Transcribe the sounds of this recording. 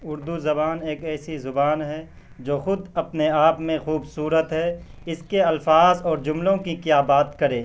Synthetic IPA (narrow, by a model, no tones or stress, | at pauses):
ʊɾd̪uzɐbaːneːkɛːsizʊbaːnɦɛ | d͡ʒoːxʊd̪ɐpneaːpmẽxuːbsuːɾət̪ɦɛ | ɪskeɐlfaːzɔːɾd͡ʒʊmlõkikjaːbaːt̪kɐɾẽː